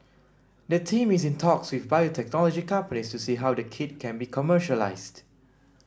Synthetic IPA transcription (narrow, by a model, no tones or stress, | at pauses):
dətʰĩmis̬ĩntʰɔkswifbajotʰɛk̚nɔlɔd͡ʒikãmpənistusiɦawdəkʰɪd̚kʰɛ̃nbikʰɔməʃəla̰ɪsd